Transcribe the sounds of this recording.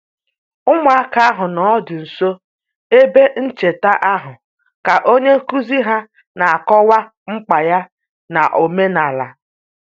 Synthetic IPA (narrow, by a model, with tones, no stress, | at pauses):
ʊ˦mʊ˨˦a˦ka˦a˦ɦʊ˨nɔ˨˦dʊ˨n̩˨so˦ | e˦be˦n̩˦t͡ʃe˨ta˦ʔa˦ɦʊ˨ | ka˨ʔo˦ɲe˦ku˦zi˦ɦa˦ | na˨a˨kɔ˦wa˦ | ŋ͡m̩˦k͡pa˨ja˦ | na˨ʔo˨me˦na˨la̰˨